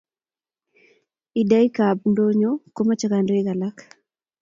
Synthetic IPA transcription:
i˨da˦i˦kabndo˦ɲoko˦ma˦t͡ʃa˦kando˦ɪ˦ɣa˨lak

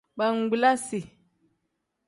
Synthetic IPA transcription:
ɓa˨ŋ̩˨ɡ͡bla˦si˨

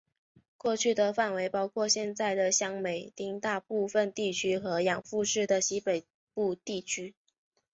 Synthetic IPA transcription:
kwɔ˥˧t͡ɕʰy˥˩d̪ə˨fa˥˩nwe˧˥ɪpɑ˥ʊkʰwɔ˥˧ɕjɛ˥˧nt͡sa˥˩ɪd̪ə˩ɕjɑ˥ŋme˨˩ɪt̪i˥ŋt̪a˥˧pu˥˩fə˧nt̪i˥˩t͡ɕʰy˥xɤ˧˥jɑ˨˩ŋfu˥˧ʂɻ̩˥˩d̪ə˩ɕi˥pe˨˩ɪ | pu˥˧t̪i˥˩t͡ɕʰy˥

